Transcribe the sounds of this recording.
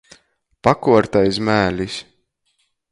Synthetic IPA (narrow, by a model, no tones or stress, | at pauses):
pakuɔɾt̪ajs̬mæːlʲis